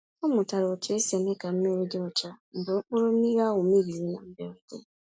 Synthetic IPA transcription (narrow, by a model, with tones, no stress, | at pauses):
o˦mʊ˨ta˨ɾo˨te˦se˨me˦ka˨m̩˦me˦ɾe˦dɔ˦t͡ʃa˦˨m̩˨bo˨˦o˦ɾo˦i˦ɣa˦wo˨mi˦ɾi˨ɾi˦na˨m̩˦be˦ɾte˦